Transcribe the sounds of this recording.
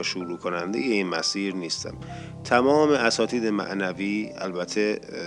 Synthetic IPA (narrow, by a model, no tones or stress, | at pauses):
ʃuɾuːkʰonænd̪ḛjeinmæsiːɾniːst̪ʰæ̰m | t̪ʰæmɒːmeæsɒːt̪ʰiːd̪emæ̰ʔnæviːæ̰lbæt̪ʰe